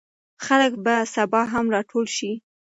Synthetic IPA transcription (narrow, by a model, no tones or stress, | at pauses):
xaləkbasabɑɦamɾɑʈʰolʃi